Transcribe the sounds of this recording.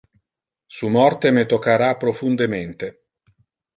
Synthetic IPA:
sumɔrt̪emet̪okːaɾapːɾofund̪ement̪e

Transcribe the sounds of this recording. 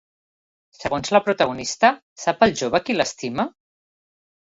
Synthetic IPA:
səɣonzləpɾut̪əɣ̞unist̪ə | sapəlˠʒoβəkiləst̪imə

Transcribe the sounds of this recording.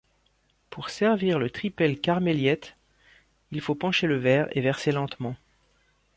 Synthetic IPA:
puʁsɛʁviʁlət̪χipɛlkaʁmeljɛt̪ | ilfopɑ̃ʃeləvɛːʁḛvɛʁselɑ̃t̪mɑ̃

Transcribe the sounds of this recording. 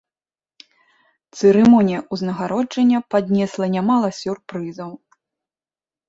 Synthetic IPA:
t̪sɨɾɨmɔnʲijɐʔuznɐɣaɾɔd͡ʐɐnʲːɐpad̪ʲnʲɛslˠɐnʲamalˠɐsʲurpɾɨzɐw

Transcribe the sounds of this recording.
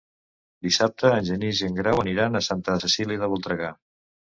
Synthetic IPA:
d̪isap̚t̪əːnʲʒəniʒeŋɡɾawəniɾanəsant̪əsəsiliðəβɔlˠt̪ɾəɣa

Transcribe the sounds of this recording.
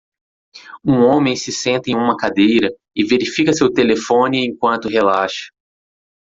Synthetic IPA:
ũõmẽj̃sɪsẽnt̪ɐẽj̃ũmɐkad̪ejɾɐ | ɪveɾifikɐsewt̪elefõnɪẽkwɐ̃nt̪ʊɦelaʃɐ̥

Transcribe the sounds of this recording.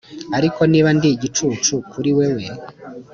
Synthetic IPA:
aɾiko̞niːβandiɟit͡ʃut͡ʃukʰuɾiwewe

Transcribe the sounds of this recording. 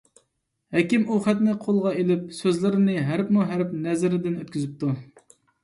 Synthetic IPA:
hɛkʲimuχæt̪nɪqʰolˠʁɑelɪp̚søzlɪɾɪnɪɦæɾpmuɦæɾpnɛzɪɾɪd̪ɪnøt̪̚kʲyzyp̚t̪ʰu

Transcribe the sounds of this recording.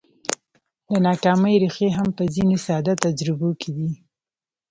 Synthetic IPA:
lanɑkɑməjɾixeɦampəzinesɑd̪at̪ad͡ʒɾɪbokʰed̪i

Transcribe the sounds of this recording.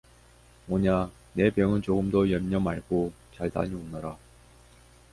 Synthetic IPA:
mʌɲa | ne̞pjʌŋɯnt͡ɕoɡɯmdojʌmɲʌmaɭɡo | t͡ɕaɭta̰ɲionːʌɾa

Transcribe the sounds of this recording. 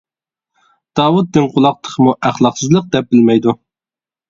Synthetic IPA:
d̪̥ɑːwut̪̚d̪ɪnqʰʊlˠɑq̚t̪ʰə̥qʰmuʔæχlˠɑqsɨzlˠəq̚d̪ɛp̚bɪlmɛjd̪u

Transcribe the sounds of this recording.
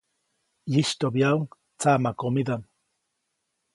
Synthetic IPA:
jiʃt̪objauŋ | t͡samakomid̪am

